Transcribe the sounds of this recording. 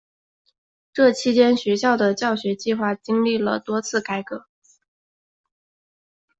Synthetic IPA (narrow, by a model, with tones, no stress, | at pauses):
ʈ͡ʂɤ˥˩t͡ɕʰi˥t͡ɕjɛ˥nɕɥɛ˧˥ɕ̬jɑ˥˩ʊd̪ə˩t͡ɕjɑ˥˩ʊɕɥɛ˧˥t͡ɕi˥˧xwa˥˩t͡ɕi˥ŋli˥˩lə̰˩t̪wɔ˥t͡sʰɹ̩˥˩ka˥ɪkɤ˧˥